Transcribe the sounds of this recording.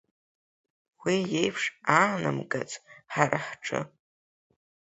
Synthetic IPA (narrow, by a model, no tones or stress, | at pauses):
wijejpʰʂaːnɨmɡʼat͡sʼħaɾʔaħʈ͡ʂʰʼɨ̰